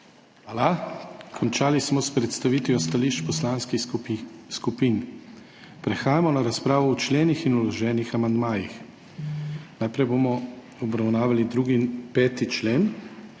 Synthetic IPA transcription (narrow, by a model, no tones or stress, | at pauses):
alakʰɔnt͡ʃaːlismɔspɾɛt̪st̪aʋiːt̪ʋiɔst̪aliʃt͡ʃpɔslaːnski | skupiːn | pɾɛxaːjamɔnaɾaspɾaːʋɔut͡ʃleːnixinulɔʒɛːnixamand̪maːjix | najpɾɛjbomɔ | ɔbɾawnaːʋalid̪ɾuɡipɛːt̪it͡ʃleːn